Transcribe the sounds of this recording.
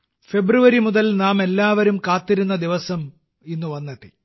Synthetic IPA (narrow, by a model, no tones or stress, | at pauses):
fe̞bruʋɐɾimuðɐlnaːme̞lːaːʋɐɾumkaːt̪ːiɾunːɐd̪iʋɐsɐm | inːuʋɐnːɐðɨ̰